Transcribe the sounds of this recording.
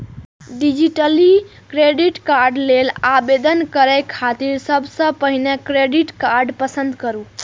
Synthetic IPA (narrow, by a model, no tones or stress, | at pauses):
ɖid͡ʒiʈəli | kɾeɖiʈkaɾɖlelabed̪ənkəɾɛkʰat̪iɾsəbʱsə̃pəɦinekɾeɖiʈkaɾɖpəsənd̪kəɾu